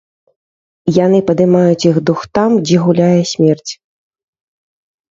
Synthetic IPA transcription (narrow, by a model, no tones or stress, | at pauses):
jan̪ɨpɐd̪ɨmajut͡sʲjixd̪uxt̪amd͡zʲɛɣulʲajɛsʲmʲɛrt͡sʲ